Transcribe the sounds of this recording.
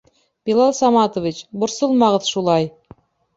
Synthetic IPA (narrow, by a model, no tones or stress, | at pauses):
pʲilˠɑlˠsɑmɑt̪ovʲit͡ɕbŏɾsɤlˠmɑʁɤðʃulˠɑj